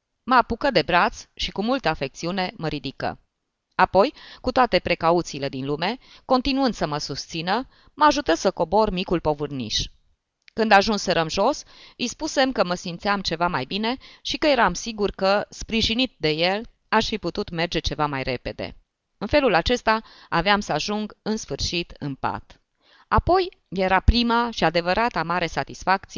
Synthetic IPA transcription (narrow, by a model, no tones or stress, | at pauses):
məapukəd̪e̞bɾat̪sʃikumult̪əafe̞k̚t̪siune̞məɾid̪ikə̰ | apo̞jkut̪oat̪e̞pɾe̞kaut̪siːle̞d̪inlume̞ | ko̞nt̪inuɨnd̪̥səməsust̪sinə | məaʒut̪əsəko̞bo̞rmikulpo̞vɨrnḭʃ | kɨnd̪aʒunsəɾəmʒo̞sispuse̞mkəməsimt̪sijamt͡ʃe̞vamajbine̞ʃikəje̞ɾamsiɡurkəspɾiʒinit̪̚d̪e̞je̞l | aʃfiput̪ut̪me̞rd͡ʒe̞t͡ʃe̞vamajre̞pe̞d̪e̞̰ | ɨnfe̞lulat͡ʃe̞st̪aaveamsəaʒuŋɡɨnsfɨrʃit̪ɨnpa̰t̪ | apo̞j | je̞ɾapɾimaʃiad̪e̞vəɾat̪amaɾe̞sat̪isfak̚t̪sie